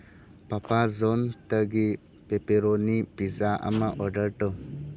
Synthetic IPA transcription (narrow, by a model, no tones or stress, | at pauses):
papazontəɡi | pepeɾonipizaʔɐ̰maʔɔɾɖəɾʈɔ